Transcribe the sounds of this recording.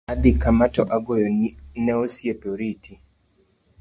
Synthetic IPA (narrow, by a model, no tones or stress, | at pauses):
abikamatɔʔaɡojonɛosjepeoɾitʰi